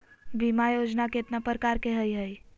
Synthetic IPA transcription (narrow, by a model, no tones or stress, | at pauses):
bimajod͡ʒnakeʈ̪napɾəkaɾkeɦəjɦəj